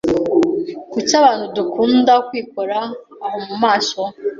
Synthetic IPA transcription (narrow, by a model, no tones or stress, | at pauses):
kut͡ʃaβaːnhudukʰuːndakwiːk̚oɾaː | homumaːso